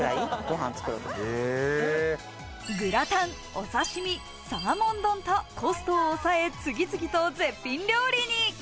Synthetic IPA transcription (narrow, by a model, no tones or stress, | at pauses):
ɯɾaiɡ̥o̞ɦã̰nt͡sɨ̥kɯɾɯt̪oe | ɡɯ̟ɾat̪ãŋ | o̞̰saɕimʲi | samamõ̞nd̪õ̞nt̪o̞ko̞sɨ̥t̪oːsae̞t͡sɨɡʲit͡sɨɡʲit̪od͡ze̞pʲːĩnɾʲo̞ːɾʲiɲ̟i